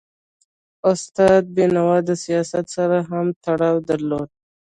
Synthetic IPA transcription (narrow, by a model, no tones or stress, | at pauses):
ʊst̪ɑd̪̚binawɑd̪əsijɑsat̪saɾaɦamt̪aɽɑwd̪aɾlod̪̚